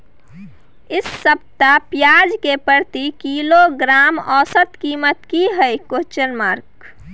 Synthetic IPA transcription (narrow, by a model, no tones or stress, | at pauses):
ɪsːəb̚t̪apjaːd͡ʒkepəɾt̪ikiloɡɾaːmɔːsət̪kiːmət̪kiɦəjkot͡ʃəɾmaːɾk